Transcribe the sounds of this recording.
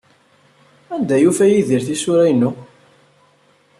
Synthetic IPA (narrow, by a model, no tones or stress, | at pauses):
ænd̪æjufæjiðiɾθisʊɾæjnːʊ